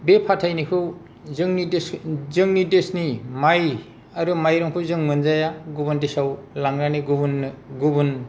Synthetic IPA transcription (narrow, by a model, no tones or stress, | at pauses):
bepʰatʰajnikʰɯw | zɯŋnideszɯŋnidesnimaj | aɾumajɾɔŋpʰɯzɯŋmɯnzajaɡubɯndesawlaŋɾaniɡubunːɡubun